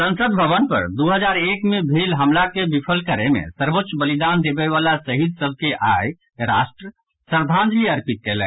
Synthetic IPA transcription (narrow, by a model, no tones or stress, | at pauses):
sə̃nsəd̪bʱəʋənpə̰ɾd̪uɦəd͡ʒaɾekmebʱelɦəmlakebipʰəlkəɾemḛ̃səɾbot̪ːʃbəlid̪and̪ebɛʋalasəɦid̪̚səbʱkeʔaj | ɾa̰sʈɾə | səɾd̪ʱãnd͡ʒ̪liəɾpit̪̚kelɛ̰̃